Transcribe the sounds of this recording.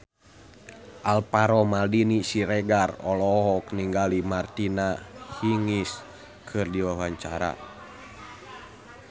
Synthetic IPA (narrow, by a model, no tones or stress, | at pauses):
ʔalpaɾɔmaldinisiɾɛɡarɔ̰lɔɦɔkniŋɡalimart̪inahiŋis | kʰɨrdiwawaɲt͡ʃaɾa̰